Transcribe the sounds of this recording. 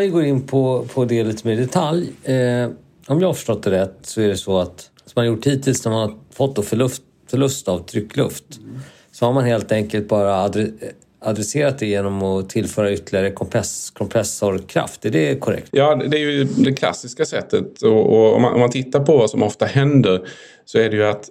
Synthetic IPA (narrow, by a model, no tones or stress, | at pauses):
ɛɡoːɾɪnːpʰɔpʰɔd̪ɛːliːt̪əmeːɾɖɛt̪ʰalj | ɔmjɑːhafœ̥ʂʈɔt̪ːɛɾɛt̪ːsɔæɖɛsɔat̪ | sɔmanjʊʈʰːiːt̪ʰɪlsnæɾmanafɔt̪̚ːd̪oːfœɭɵft̪ | fœɭɵst̪avt̪ʰɾʏkːlɵ̰ft̪ | sɔhaɾmanheːlt̪ɛŋkəlt̪̚bɑːɾad̪ɾɛ | ad̪ɾɛseːɾat̪d̪ɛjeːnɔmɔt̪ʰɪlfœːɾaʏt̪ːlɪaɾəkʰɔmpʰɛskʰɔmpʰɾɛsɔɾkʰɾa̰ft̪ɛɖɛkʰɔɾɛ̰kt̪jɑːd̪d̪ɛːɾjɵd̪ɛkʰla̰sːɪskasɛt̪ːət̪ɔɔɔ̰ma̰ʔɔ̰mant̪ʰɪt̪ːaɾpʰɔvasɔmɔft̪ahɛnd̪əɾ | sɔæɖɛjɵat̪